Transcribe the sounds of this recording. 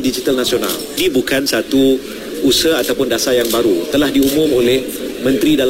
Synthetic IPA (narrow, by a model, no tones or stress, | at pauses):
did͡ʒit̪alnasiona̰l | dibukansat̪u | usəat̪awpʊndasajaŋbaɾut̪əlahdiumʊ̃molɛhmə̃nt̪ɾidal